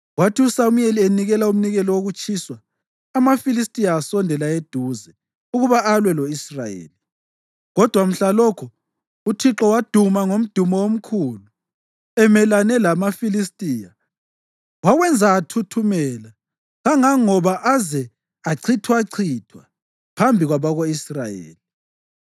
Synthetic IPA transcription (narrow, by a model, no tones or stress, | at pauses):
watʰiusamujelieniɣɛlaum̩niɣɛlɔwoɣut͡ʃʼʰiswaː | mafilistʼijaːsɔndʱɛlaed̥ʱuzɛ | uɣuβaʔːlwɛlɔisra̰jḛːli | ɣɔd̥ʱwam̩ɬalɔkʰɔ | utʰiǁɔwad̥ʱumaŋom̩d̥ʱumɔwom̩kʰulu | ɛmɛlanɛlamafilistʼiːja | waɣwɛnd͡zʱaːtʰutʰumɛla | ɣaŋaŋɔβaʔazɛ | aǀʰitʰwaǀʰitʰwa | pʰambʱiɣwaβaɣoisrajḛːli